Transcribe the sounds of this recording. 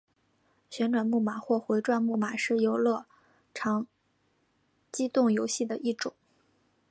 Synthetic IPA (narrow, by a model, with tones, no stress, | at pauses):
ɕɥɛ˧˥nʈ͡ʂwa˨˩nmu˥˩ma˨˩xwɔ˥˩xwe˧˥ɪʈ͡ʂwa˥˧nmu˥˩ma˨˩˦ʂɻ̩˥˩jo˧˥ʊlɤ˥˩ | ʈ͡ʂʰɑ˧˥ŋ | t͡ɕi˥t̪ʊ˥˩ŋjo˧˥ʊɕi˥˩d̪ə˩ʔi˥˩ʈ͡ʂʊ˨˩˦ŋ